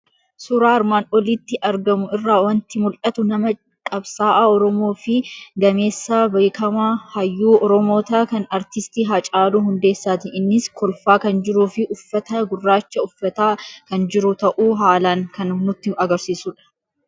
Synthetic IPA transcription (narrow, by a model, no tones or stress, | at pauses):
suːɾaːɐɾmaːnɔlit̪ːɪʔɐɾɡɐmʊɪrːaːwɐnt̪ɪmʊlʔɐt̪ʊnɐmɐ | kʼɐbsaːʔaɔɾɔmo̞ːfɪɡɐme̞ːsːaːbɐːkʰɐmahɐjːuːɔɾɔmo̞ːt̪akɐnɐɾt̪ɪst̪iːɦɐt͡ʃʼaːluːɦʊnd̪eːsːaːt̪ɪɪnːɪskʰɔlfaːkɐnd͡ʒɪɾuːfɪʔʊfːɐt̪ɐɡʊrːaːt͡ʃːɐʊfːɐt̪aːkɐnd͡ʒɪɾʊt̪ɐʔuːɦaːlaːŋkɐnʊnʊt̪ːɪɐɡɐɾsiːsuːᶑɐ̥